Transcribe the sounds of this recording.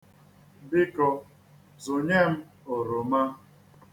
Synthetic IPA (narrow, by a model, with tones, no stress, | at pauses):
bɪ˦kɔ˨ | zʊ˨ɲe˦m̩˦ | o˨ɾo˨ma˦